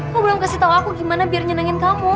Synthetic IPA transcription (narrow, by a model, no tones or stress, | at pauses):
kuɡlamkasit̪auakuɡimanabiarɲənaŋɪnkamu